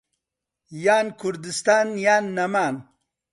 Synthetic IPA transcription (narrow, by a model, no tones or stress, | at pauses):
jaːnkʰuɾd̪ist̪aːnjaːnːɐmaːn